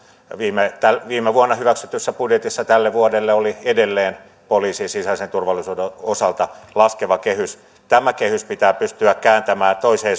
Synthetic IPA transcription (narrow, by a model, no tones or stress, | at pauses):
ʋiːmet̪ælʋiːmeʋuonːɑhyʋæksyt̪ysːæpudjet̪isːɑt̪ælːeʋuodelːeoliedelːeːn | poliːsiːnsisɑisent̪urʋɑlːˑisuːdeosɑlt̪ɑlɑskeʋɑkehys | t̪æmækehyspit̪æːpyst̪yækkæːnt̪æmæːnt̪oiseː